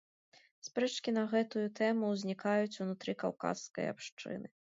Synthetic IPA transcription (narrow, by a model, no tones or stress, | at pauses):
spɾɛt͡ʂkʲinɐɣɛt̪ujut̪ɛmuwzʲnʲikajut͡sʲunut̪ɾɨkawka̰sːkɐ̰ja̰pʂt͡ʂɨ̰nɨ